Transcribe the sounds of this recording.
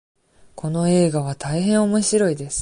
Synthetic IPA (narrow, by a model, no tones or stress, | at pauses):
kʰo̞no̞e̞ːɡaβ̞at̪aiɦẽ̞ɰ̃o̞mo̞ɕiɾo̞id̪e̞sɨ̥